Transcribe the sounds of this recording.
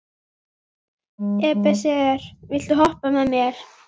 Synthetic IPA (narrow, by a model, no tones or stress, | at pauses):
ɛːpɛsɛɛɾ̥vɪlt̪uɦɔhpamɛðmjɛɾ̥